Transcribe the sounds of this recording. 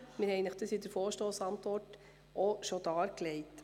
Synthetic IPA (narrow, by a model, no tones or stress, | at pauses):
mɪɾhɛɪnəχd̥əsidəɾfoːɾʃtoːsɑnt̪ʋɔɾt | oʃod̥̪ɑːɾklɛɪt